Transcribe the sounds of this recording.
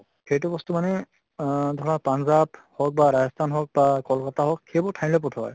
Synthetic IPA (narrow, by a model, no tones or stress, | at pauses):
xejt̬ʊbɔstumanɛ | dʱɔɹapanzaphɔk̚baɹajɔstʰanɦɔk̚bakɔlkataɦɔkːejbɔtʰaj̃lɛp̬ɔtʰɔ̰j